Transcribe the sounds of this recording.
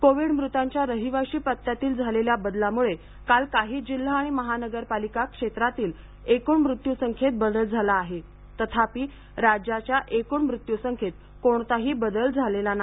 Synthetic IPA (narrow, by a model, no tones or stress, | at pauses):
koʋiɽmɾut̪aɲt͡ɕjaɾəɦiʋaɕiːpət̪ːjat̪iːld͡zʱaleljabəd̪lamuɭe | kalkaɦiːd͡ʑil̤ːaːɽ̃iməɦanəɡəɾpalikakʂet̪ɾat̪iːl | ekuːɳmɾut̪jusəŋkʰet̪̚bəd̪əld͡zʱalaːɦe | t̪ət̪ʰapiː | ɾad͡ʑjat͡ɕjaʔekuːɳmɾut̪jusəŋkʰet̪̚ | koɳt̪aɦiːbəd̪əld͡zʱalelana